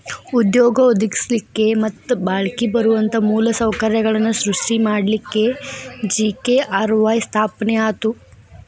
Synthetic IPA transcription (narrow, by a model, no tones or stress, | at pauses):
ud̪joːɡɐod̪iɡislikːemɐt̪ːubaːɭkibɐɾuʋɐnt̪ɐmuːlɐsɐwkɐɾjɐɡɐɭɐnːusɾuʂʈimaːɽlikːe̞d͡ʒiːkeʔaːɾʋaːjst̪ʰaːpnɛaːt̪u